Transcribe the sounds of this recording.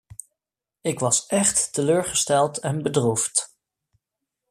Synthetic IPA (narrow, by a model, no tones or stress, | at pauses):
ɪkʋɑsɛχtːəløːɹχəstɛlˠtɛnbədruft